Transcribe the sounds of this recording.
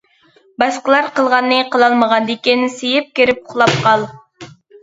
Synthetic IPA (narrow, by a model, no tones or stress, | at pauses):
bɑsqəlˠɑɾqəlˠʁɑnːɨqʰəlˠɑlˠməʁɑnd̪ekʲinsejɪp̚kʲeɾɪp̚ʰʊ̥χlˠɑp̚qʰɑlˠ